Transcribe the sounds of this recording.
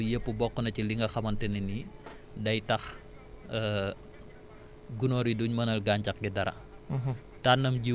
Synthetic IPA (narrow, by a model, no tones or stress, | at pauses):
ijəpubɔkɔnat͡ʃiliŋɡaxamant̪ɛnini | dait̪ah | ə | ɡunoɾiduɲmanalɡaɲt͡ʃak̚ɡɛdaɾa̰ | t̪anəmd͡ʒi